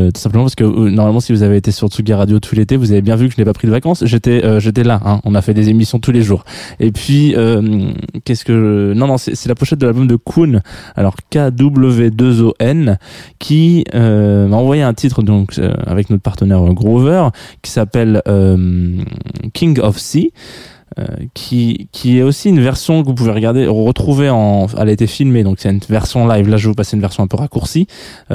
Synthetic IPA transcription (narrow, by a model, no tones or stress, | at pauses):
t̪u̥sɛ̃pləmɑ̃paʁsə̥kənɔʁmalmɑ̃sivuzaveːt̪esyʁlt̪uɡʲaʁad̪jot̪ʰulet̪evuzavebjɛ̃vykəʒənɛpapχid̪əvakɑ̃sʒet̪ɛʔøʒet̪ɛlaʔɛ̃ɔ̃nafɛd̪ezemisjɔ̃t̪uleʒuːʁepɥiø | kʲɛskəʒnɔ̃nɔ̃sɛ̰sɛlapɔʃɛt̪̚d̪əlalbɔmd̪əkʰuna̰lɔʁkad̪ubləved̪øzoʔɛnkʲʰiømɑ̃vwajɛɛ̃t̪ʰit̪χəd̪ɔ̃kø̰a̰vɛknɔt̪χpaʁt̪ənɛʁəɡʁovœʁkʲi̥sapɛløm | kʲʰĩŋɡɔfsi | ø̰kʲʰikʲʰiɛosinvɛʁsjɔ̃kəvup̬uveʁəɡaʁd̪eʁət̪χuveɑ̃a̰lɛet̪efilmed̪ɔ̃ksɛynvɛʁsjɔ̃lajvlaʒəvup̬aseynvɛʁsjɔ̃ɛ̃pøʁakuʁsi